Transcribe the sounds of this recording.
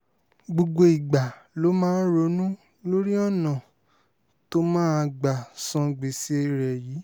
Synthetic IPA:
ɡ͡bo˨ɡ͡bo˧i˨ɡ͡ba˨lo˨˦mãː˦ɾo˨˧˦nũ˦ | lo˦ɾi˦ɔ˦˨nã˨ | to˦mãː˦˧ɡ͡ba˨sɔ̃˧ɡ͡be˨se˧e˧ɾɛ˨jiː˨˦

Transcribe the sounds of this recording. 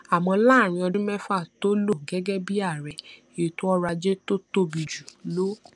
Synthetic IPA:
a˨mɔ̃˧la˦˨ɾ̃ĩ˧ɔ˧dũ˦mɛ˦fa˦˨to˦lo˦˨ɡɛ˦ɡɛ˦bi˦a˦˨ɾɛ˨ | e˨to˦ɔ˦ɾa˧d͡ʒe˦to˦to˧bi˨d͡ʒu˨lo˨˦

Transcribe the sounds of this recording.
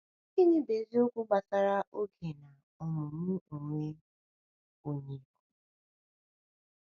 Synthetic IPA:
i˦ɲɪ˦be˨zi˦o˦kʷu˦ɡ͡ba˨sa˦ɾa˦ʔo˦kʰe˨na˨ | ɔ˨mʊ˨m̩˦˨ŋʷe˦ | o˨ɲe˨ku˦

